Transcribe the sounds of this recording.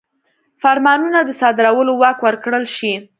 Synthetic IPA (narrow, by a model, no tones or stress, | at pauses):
faɾmɑnunad̪əsɑd̪ɪɾawəlowɑkwəɾkɽəlʃi